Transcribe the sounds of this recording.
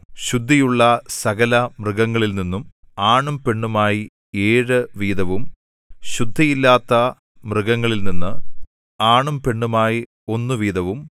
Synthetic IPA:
ɕud̪ʱːijuɭːɐsɐɣɐlɐmrɨɣɐŋːɐɭilninːum | aːɳumpe̞ɳːumaːji | eːɻɨʋiːd̪ɐʋum | ɕud̪ʱːɐjilːaːt̪ːɐ | mrɨɣɐŋːɐɭilninːɨ | aːɳumpe̞ɳːumaːji | o̞nːɨʋiːd̪ɐʋum

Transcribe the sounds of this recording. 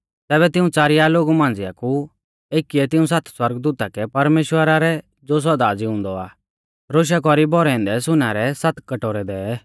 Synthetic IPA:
t̪ɛːβɛt̪ɪũt͡saːɾɪjaloːɡumãːn̆d͡zɪja̰ku | eːkːiɛt̪ɪũs̬at̪ʰswɐɾɡd̪uːt̪akɛpɐɾmeːʃwəɾaɾɛ | d͡zoːs̬ɐd̪ad͡ziʊ̃nd̪ɔa̰ː | ɾoːʃ̬akɔɾibɔɾɛɪ̃nd̪ɛsʊnaɾɛsat̪ʰkɐʈoːɾɛd̪ɛː

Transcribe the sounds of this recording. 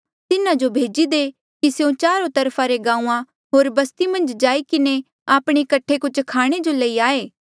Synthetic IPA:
t̪ɪnãd͡ʒobʱeːd͡ʒid̪e | kiseũt͡ʃaːɾõt̪ɐɾpʰaɾeɡãːũːã | ɦoːɾbɐst̪imɐ̃nd͡ʒd͡ʒaːikɪne | aːpɽ̃ekɐʈʰːekʊt͡ʃʰkʰaːɽ̃ed͡ʒoləiaːeː

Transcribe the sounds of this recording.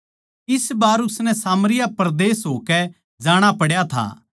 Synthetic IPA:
ɪsbaːɾʊsnɛ̃saːmɾɪjapɐɾd̪eːsɦoːkɛ | d͡ʒaːɽ̃apɐɽjat̪ʰa̰ː

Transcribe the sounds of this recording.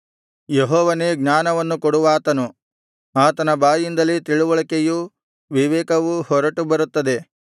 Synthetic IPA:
jeɦɔːʋɐne̞ːɡɲaːnɐʋɐnːukɔɽuʋaːt̪ɐnu | aːt̪ɐnɐbaːjind̪ɐlːit̪iɭuʋɐɭɐkeju | ʋiʋɛːkɐʋuhɔɾɐʈubɐɾut̪ːɐd̪e̞

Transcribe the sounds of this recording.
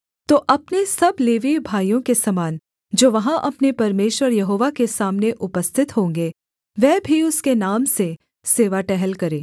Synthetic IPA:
t̪oːʔɐpnesɐbleːʋibʱaːijõkesɐmaːn | d͡ʒoːʋɐɦãʔɐpnepɐɾmeːʃwəɾjɐɦoːʋakesaːmneʔʊpəst̪ʰɪt̪ɦõːŋɡe | ʋɛːbʱiʊskenaːmse | seːʋaʈɛɦɛlkɐɾẽː

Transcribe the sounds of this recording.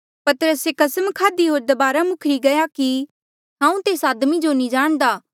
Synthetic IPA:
pɐt̪əɾəsekɐsəmkʰaːd̪iɦoːɾd̪ɐbaːɾamʊkʰɾiɡɐjaki | ɦãːũt̪eːsaːd̪mid͡ʒonĩd͡ʒaːɽ̃d̪aː

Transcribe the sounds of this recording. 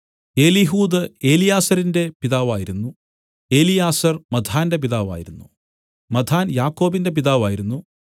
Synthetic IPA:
e̞ːliɦuːd̪ɐe̞ːlijaːsɐɾinde̞piðaːʋaːjiɾunːu | e̞ːlijaːsɐrmɐd̪ʱaːnde̞p̬iðaːʋa̰ːjiɾunːu | mɐd̪ʱaːnjaːkːo̞ːbinde̞p̬iðaːʋaːjiɾunːu

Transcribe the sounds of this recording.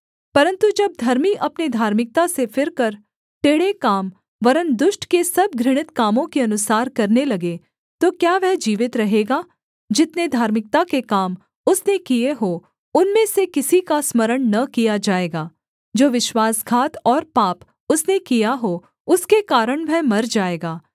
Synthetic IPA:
pɐɾə̃nt̪ud͡ʒɐb̚d̪ʱɐɾmiʔɐpnid̪ʱaːɾmɪk̚t̪asefʰɪɾkɐɾ | ʈeːɽekaːm | ʋɐɾənd̪ʊʃʈkesɐb̚ɡʱɾɪɽ̃ɪt̪kaːmõkeɐnʊsaːɾkɐɾnelɐɡe | t̪okjaːʋɛɦd͡ʒiːʋɪt̪ɾɐɦeːɡaː | d͡ʒɪt̪ned̪ʱaːɾmɪk̚t̪akekaːm | ʊsnekijeɦo | ʊnmẽsekɪsikasməɾəɽ̃nɐkijad͡ʒaːeːɡaː | d͡ʒoːʋɪʃwaːsɡʱaːt̪ɔːɾpaːp | ʊsnekijaɦo | ʊskekaːɾəɽ̃ʋʱɛɦmɐɾd͡ʒaːeːɡaː

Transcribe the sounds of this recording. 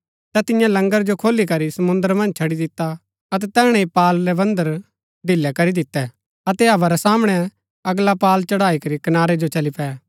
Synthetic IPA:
t̪ɛt̪ɪ̃jãlɐ̃ŋɡəɾd͡ʒokʰoːlikɐɾisɐmʊ̃nd̪əɾmɐ̃nd͡ʒt͡ʃʰɐɽid̪ɪt̪ːa | ɐt̪̬ɛt̪ɛːɽ̃ɛ̃ipaːlɾɛbɐ̃nd̪əɾ | ɖ̪ʱɪlːɛkɐɾid̪ɪt̪ːɛ | ɐt̪ɛɐʋaɾɛsaːməɽ̃ɛ | ɐɡlapaːlt͡ʃɐɽaːikɐɾikɐnaːɾed͡ʒot͡ʃɐlipɛː

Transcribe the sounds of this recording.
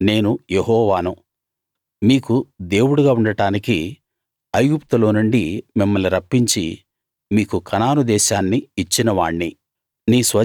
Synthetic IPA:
ne̞ːnujeɦɔːʋaːnu | miːkud̪e̞ːwuɽuɡaːuɳɖɐʈaːniki | ɐjɡupt̪ulo̞ːnuɳɖimimːɐlniɾɐpːiɲt͡ʃḭ | miːkukʰɐnaːnud̪ɛːʃaːnːiːt͡ʃːinɐʋaːɳːi | niːsʋɐ

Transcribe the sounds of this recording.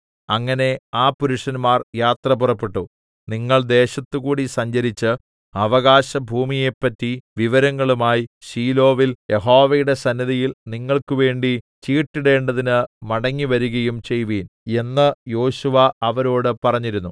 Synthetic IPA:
ɐŋːɐne̞aːpuɾuʂɐnmaːrjaːt̪rɐpurɐpːe̞ʈːu | niŋːɐɭd̪e̞ːɕɐt̪ːuɣuːɽisɐɲd͡ʑɐɾit͡ɕːɨ | ɐʋɐɣaːɕɐbʱuːmije̞pːɐtːiʋiʋɐɾɐŋːɐɭumaːjiɕiːlo̞ːʋilje̞ɦo̞ːʋɐjuɽe̞sɐnːiðijilniŋːɐɭkuʋe̞ːɳɖit͡ɕiːʈːiɽe̞ːɳɖɐðinɨmɐɽɐŋːiʋɐɾuɣɐjumt͡ɕe̞jʋiːne̞nːɨjo̞ːɕuʋɐɐʋɐɾo̞ːɽɨpɐrɐɲːiɾunːu

